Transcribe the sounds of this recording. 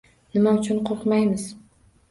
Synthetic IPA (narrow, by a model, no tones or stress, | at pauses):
nɪmaʊt͡ʃʰʊnqʰoɾqmajmɪz